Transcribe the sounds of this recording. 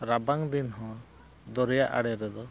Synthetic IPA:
ɾabaŋd̪inɦɔ̃ | d̪ɔɾɛjaʔa̰ɽɛɾɛd̪ɔ

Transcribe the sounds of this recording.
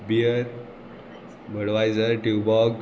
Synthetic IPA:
biəɾ | bʱəɽʋajd͡zəɾʈibɔɡ

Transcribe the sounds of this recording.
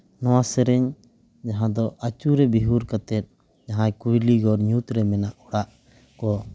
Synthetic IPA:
nɔwasɛɾɛɲ | d͡ʒaɦãd̪ɔʔat͡ʃuɾɛbiɦuɾkat̪ɛt̪̚ | d͡ʒaɦãɲkujliɡɔɾɲut̪ɾɛmɛnaʔɔɽaʔ | kɔ

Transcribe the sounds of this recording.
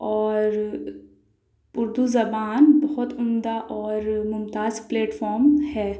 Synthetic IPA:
ɔːɾ | ʊɾd̪uzɐbaːnbɐɦʊt̪ʊmd̪aʔɔːɾmʊmt̪aːzpleːʈfɔːɾmhɛː

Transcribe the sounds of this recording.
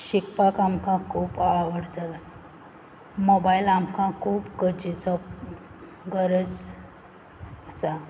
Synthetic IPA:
ɕikpakamkãkʰuːpaʋəɽd͡zala | mobailamkãkʰuːpɡəd͡ʑisəp̚ | ɡəɾəd͡z | əsa

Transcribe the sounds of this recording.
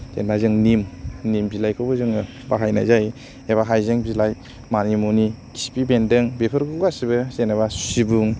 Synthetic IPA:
zḛnbazɯŋnimnimbilajkʰɯwbɯzɯŋɯ | baɦajna̰jzaj | eβaɦajzɯŋbilaj | manimuniki̥si̥pibendɯŋbepʰɯɾɡɯɡasibɯsenabasu̥sibuŋ

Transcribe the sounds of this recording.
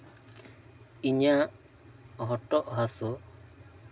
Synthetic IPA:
iɲaʔ | ɦɔʈɔʔɦasu

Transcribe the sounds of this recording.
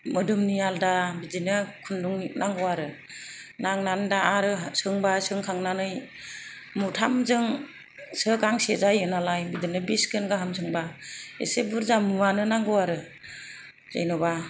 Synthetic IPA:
mɯdɯmnijaldabidinɯkʰunduŋnʔaŋɡɔwaɾɯ | naŋnandaaɾɯsɯŋbasɯŋkʰaŋnanɯj | mutʰamzɯŋ | sɯkaŋsezajɯnalajbidinɯbiskɯnɡaɦamzɯŋbaḛsebuɾzamuwanɯnaŋɡɯwaɾɯ | za̰jnɔba

